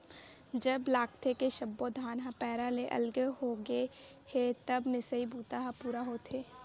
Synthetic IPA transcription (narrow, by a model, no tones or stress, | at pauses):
d͡ʒɐblaːk̚t̪ʰekeʃɐbːod̪ʱaːnɦapɛːɾaleʔɐ̰lɡeɦoɡe | het̪ɐbmɪsəibʱuːt̪aɦapuːɾaɦoːt̪ʰeː